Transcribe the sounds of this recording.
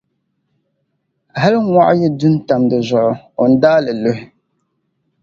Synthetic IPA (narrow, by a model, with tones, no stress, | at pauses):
ɦa˦lŋwa˦ʔjɛ˦du˦n˦ta˨mdɨ˨zʊ˨ʔʊ˦o˨n̩˦daː˦lɨ˨lo˦ɦɪ˦